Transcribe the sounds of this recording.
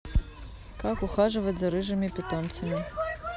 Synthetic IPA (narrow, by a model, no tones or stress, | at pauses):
kakuχaʐɨvɐtʲzɐɾɨʒɐmʲipʲɪt̪omt͡sɐmʲi